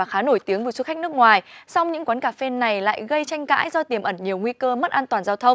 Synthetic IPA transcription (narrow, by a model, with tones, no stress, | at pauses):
aː˨˩xaː˨˦no˧˩jt̪i˨˦əŋvɨ˨˩su˧xa˦˥k̚n˦˥ək̚ŋwaː˨˩jsa˧wŋ͡mɲɨ̰˧˥ŋkwaː˨˦nkaː˨˩fe˧na˨˩jla̰ː˧˨jɣə˧jt͡ɕa˧jŋ̟ka̰ː˧˥jzɔ˧t̪i˨˩əmʔə˧˩nɲi˨˩əwŋwi˧kəː˧mə˦˥t̚ʔaː˧nt̪waː˨˩nzaː˧wt̪ʰə˧wŋ͡m